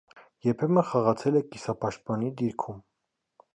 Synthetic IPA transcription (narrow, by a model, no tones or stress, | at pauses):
jɛɾpʰɛmənχɑʁɑt͡sʰɛlɛkisɑpɑʃt̪̚pɑnid̪iɾkʰum